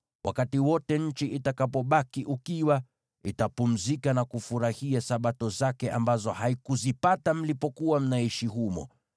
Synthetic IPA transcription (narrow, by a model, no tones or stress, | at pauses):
wʔa̰katiwɔtɛɲ̩t͡ʃiʔitakapɔɓakiʔukiwa | ḭtapum̩zikanakufuɾahiasaɓatɔzakɛʔa̰mbazɔhaikuzipatam̩lipɔkuwam̩naiʃiɦumɔ̰